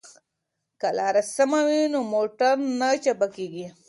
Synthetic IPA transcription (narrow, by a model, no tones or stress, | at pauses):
kalɑːɾasɐmawinomoʈaɾnat͡ʃapakeɡi